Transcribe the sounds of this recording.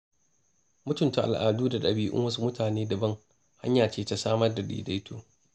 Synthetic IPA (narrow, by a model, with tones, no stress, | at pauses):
mʊ˦tʊ˨nta˨ʔa̰˨lʔa̰ː˨duː˦da˨ɗɐ˨biː˦ʔʊ̰˦ŋwɐ˦s̬u˦mʊ˦tʰaː˨neː˦dɐ˨bɐ˦ŋ | ha̰˦ɲjaː˨t͡ʃeː˦ta˦saː˦mɐ˦rda˨ɗḭː˨da˦jtʰuː˨